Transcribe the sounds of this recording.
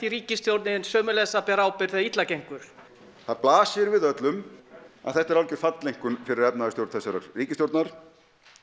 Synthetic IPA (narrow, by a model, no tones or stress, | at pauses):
iɾiːcɪst̪jowɾt̪nɪnsœːmʏlɛsapɛɾawpɪɾ̥θɛðait̪lacejŋ̥kʏɾ̥ | θaðplaːsɪɾvɪðœt̪lʏmaðθɛht̪aɾawlcɪ̥fat̪lejŋ̥kʏnfɪɾɪɾɛpnaðɪst̪jowɾt̪θɛsaɾa̰ɾ̥riːcɪst̪jowɾt̪naɾ̥